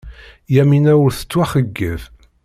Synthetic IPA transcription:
jæminæwəɾθə̥t͡sːwæχəɡːəv

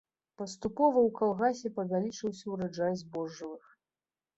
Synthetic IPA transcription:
pɐst̪upɔvɐwkalˠɣasʲɛpɐvʲalʲit͡ʂɨwsʲɐwɾad͡ʐajzʲbɔʐːɐlɨx

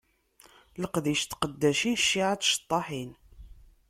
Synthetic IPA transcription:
ləqðiʃt̪qəd̪ːæʃinʃːiʕat͡sʃt̪ˤːɑħin

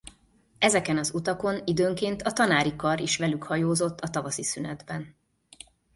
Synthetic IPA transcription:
ɛzɛkɛnɒzut̪ɒko̞nid̪øːŋkeːnt̪ɒt̪ɒnaːɾikɒɾiʃʋɛlykhɒjoːzo̞t̪ːɒt̪ɒvɒsisynɛd̪bɛn

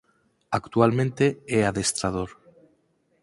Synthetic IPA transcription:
akt̪ualmẽnt̪eeaðest̪ɾað̞oɾ

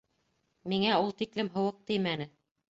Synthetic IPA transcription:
miŋæulˠt̪iklɘmɦɤ̆wɤq̚t̪ɘjmænɘ

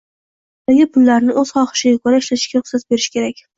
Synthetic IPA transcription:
d̪aɡʲɪpʰʊlːaɾnɪʔɵz̥χɒχɨ̥ʃɪɡʲakʰoɾaɪʃlaɪ̥ʃɡʲaɾʊχsat̪̚be̞ɾɪʃkʲʰe̞ɾakʲ

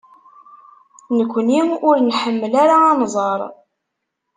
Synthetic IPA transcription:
nəkʷːəniʊɾnħəmːəlaɾaɑnzˤɑɾˤ

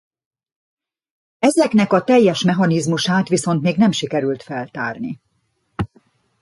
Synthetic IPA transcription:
ɛzɛknɛkɒt̪ɛjːɛʃmɛɦɒnizmuʃaːt̪ʋiso̞nt̪meːɡnɛmʃikɛɾylt̪fɛlt̪a̰ːrnḭ

